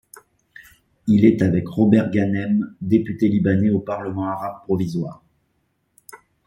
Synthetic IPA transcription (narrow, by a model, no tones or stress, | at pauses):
ilɛt̪avɛkʁɔbɛʁɡanɛmd̪epyt̪elibaneopaʁləmɑ̃aʁab̚pχɔvizwa̰ːʁ